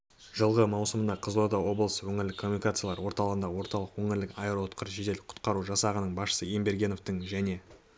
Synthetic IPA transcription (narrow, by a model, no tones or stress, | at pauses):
ʒəlˠʁəmɑwsəmənd̪ɑqʰəzlˠod̪ɑwo̞blˠəswɵŋɪɾlɪkʰːo̞mːunikat̪sɨjlˠɑɾwo̞ɾt̪ɑlˠəʁənd̪ɑwo̞ɾt̪ɑlˠəqwɵŋɪɾlɪkaeɾoot̪qʰəɾʒet̪e̞lqʰʊ̥t̪qɑɾuʒɑsɑʁənəɴbɑsʃə̥səembe̞ɾɡʲe̞no̞ft̪əɴʒæne̞